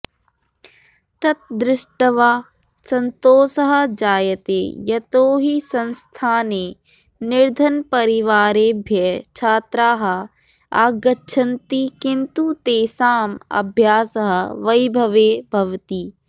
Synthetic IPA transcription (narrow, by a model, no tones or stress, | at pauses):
t̪ɐt̪̚d̪ɾɪʃʈɐʋaː | sɐ̃nt̪oːsɐɦɐ̆d͡ʒaːjɐt̪ḛːjɐt̪oːɦisɐ̃nst̪ʰaːneː | nɪɾd̪ʱɐnpɐɾɪʋaːɾeːbʱjɐt͡ʃʰaːt̪ɾaːɦɐ̆ | a̰ːɡɐtːʃʰɐnt̪ikɪnt̪ut̪eːsaːmɐ̰bʱjaːsɐɦɐʋɐjbʱɐʋeːbʱɐʋt̪iː